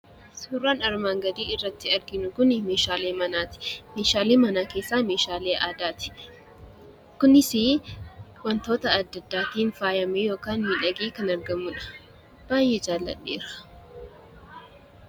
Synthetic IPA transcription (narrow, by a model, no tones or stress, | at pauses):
suːrːaːnɐɾmaːŋɡɐd̪iːɪrːɐt̪ːɪɐɾɡɪnʊkʊnɪmeːʃaːleːmɐnaːt̪ɪ̥meːʃaːleːmɐnaːkeːsːaːmeːʃaːleːʔaːd̪aːt̪ɪ̥ | kʊnɪsi | wɐnt̪o̞ːt̪ɐːd̪ːɐd̪ːaːt̪iːnfaːjɐmejo̞ːkaːnmɪᶑɐɡeːkɐnɐɾɡɐmːʊᶑɐ̥ | b̥aːjeːd͡ʒaːlːɐ̰ᶑːḛːɾ̥ɐ̥